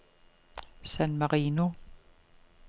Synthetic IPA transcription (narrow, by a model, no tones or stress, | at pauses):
sænmaʁiːno